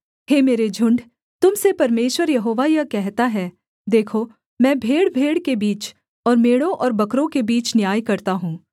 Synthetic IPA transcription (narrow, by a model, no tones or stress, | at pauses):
ɦeːmeːɾed͡ʒʱʊ̃ɳɖ | t̪ʊmsepɐɾmeːʃwəɾjɐɦoːʋajakɛɦt̪aɦɛː | d̪eːkʰo | mɛ̃ːbʱeːɽbʱeːɽkebiːt͡ʃ | ɔːɾmeːɽõʔɔːɾbɐkɾõkebiːt͡ʃnjaːjkɐɾt̪aɦũː